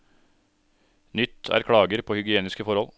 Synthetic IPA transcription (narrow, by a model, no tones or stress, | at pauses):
nʏt̪ʰæ̰ːɾkʰɽɑːɡəɾpʰoːhʏɡɪeːnɪskəfɔɾɔl